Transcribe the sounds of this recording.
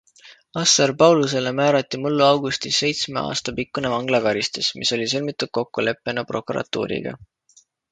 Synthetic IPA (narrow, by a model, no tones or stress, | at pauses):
ɑsːɑrpɑwluse̞lemæːɾɑt̪ːˑimulːuɑwɡ̥ust̪isːe̞jt̪sme̞ʔɑ̰ːst̪ɑpikːunevɑŋɡ̥lɑkɑɾist̪usmʔḭso̞lʲisilmit̪ːˑud̪̚ko̞kːule̞pːˑe̞nɑpro̞kˑuɾɑ̰t̪ːṵːɾḭɡ̥ɑ̰